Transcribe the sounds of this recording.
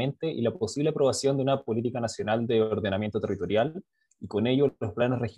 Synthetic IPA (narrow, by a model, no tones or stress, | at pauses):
e̞nt̪e̞ʔilaposiβleapɾo̞βasjo̞nd̪eunapo̞lit̪̬ikanasjo̞nald̪eoɾðe̞namje̞nt̪ot̪e̞rit̪o̞ɾjal | iko̞ne̞ʝoosplanesrex